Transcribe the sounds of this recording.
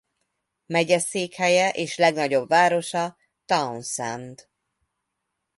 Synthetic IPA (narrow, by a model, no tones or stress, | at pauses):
mɛɟɛseːkhɛjɛʔeːʃlɛɡnɒɟo̞bvaːɾo̞ʃɒ | t̪ɒunsɛnt̪